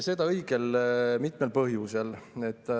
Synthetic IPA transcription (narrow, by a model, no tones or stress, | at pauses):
se̞d̪ɑɤjɡ̥e̞lmit̪me̞lpɤɦjuse̞le̞t̪ːˑ